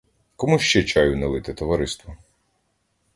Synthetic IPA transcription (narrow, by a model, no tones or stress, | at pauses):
kɔmuʃt͡ʃɛt͡ʃɑjʊnɛlˠɪt̪ɪt̪ɔʋɐɾɪst̪ʋɔ